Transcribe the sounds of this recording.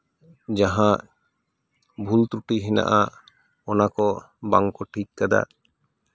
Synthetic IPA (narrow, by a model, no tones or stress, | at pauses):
d͡ʒaɦãʔ | bʱult̪ɾuʈiɦɛna̰ʔa | ɔnakɔ | baŋkɔʈʰikːad̪a̰